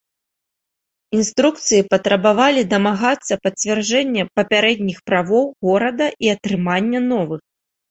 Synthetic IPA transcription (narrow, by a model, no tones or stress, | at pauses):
inst̪ɾuk̚t̪sɨjipɐt̪ɾɐbavalʲid̪ɐmaɣat̪sːɐpɐt͡sʲvʲard͡ʐɛnʲːɐpɐpʲaɾɛd̪ʲnʲixpɾavɔwɣɔɾɐd̪ɐʔiɐt̪ɾɨmanʲːɐnɔvɨx